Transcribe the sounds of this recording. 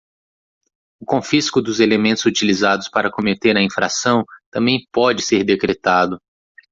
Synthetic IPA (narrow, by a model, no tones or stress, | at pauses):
ʊkõfiskʊd̪ʊzelemẽnt̪ʊzut͡ʃilizad̪ʊspaɾɐkõmet̪eɾɐĩfɾa̰sɐ̃w̃t̪ɐ̃mbẽj̃pɔd͡ʒɪseɾd̪ekɾet̪ad̪ʊ